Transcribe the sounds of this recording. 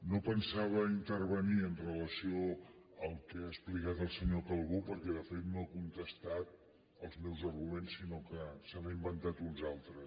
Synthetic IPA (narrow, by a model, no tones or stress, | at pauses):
nopənsaβ̞əint̪ərβəniənrələsio | əlˠkɛasplikat̪əlˠsəɲokəlˠɣupəɾkɛðəfet̪noəkunt̪əst̪at̪̚ | əlˠzmɛwzərɣumensːinokəsəβəimbənt̪at̪unzalˠt̪ɾə